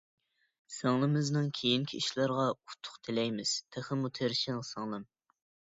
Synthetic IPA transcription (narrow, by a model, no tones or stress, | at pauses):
sɨŋlˠɨmɨznɨŋkʲʰejiŋkʲʰiiʃlˠɑɾʁɑut̪ʰːʊ̥qt̪ʰɪlɛjmɪz̥t̪ʰæχɪmut̪ʰeɾʃɪŋsɨŋlˠɨm